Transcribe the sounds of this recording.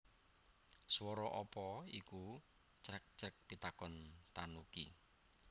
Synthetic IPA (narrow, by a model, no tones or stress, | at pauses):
swɔɾɔʔɔpɔiku | t͡ʃɾək̚t͡ʃək̚pit̪akɔnt̪anukḭ